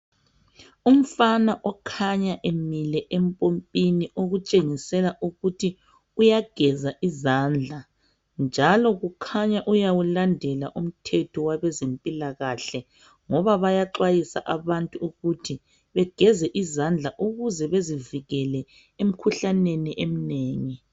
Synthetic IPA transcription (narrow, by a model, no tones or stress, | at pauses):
um̩fanaʔɔkʰaɲaʔemilɛʔempʼompʼiniʔoɣut͡ʃʼeŋisɛlaʔuɣutʰi | ujaɡ̥ʱɛzaʔizand͡ɮʱa | nd͡ʒʱalɔɣukʰaɲaʔujawulandʱɛlaʔum̩tʰɛtʰɔwaβɛzempʼilaɣaɬɛ | ŋɔβaβajaǁwajisa̰ʔaβantʼuːɣutʰi | βɛɡ̥ʱɛzɛʔizand͡ɮʱaʔuɣuzɛβeziviɣɛlɛ | em̩kʰuɬaneniʔem̩neːŋi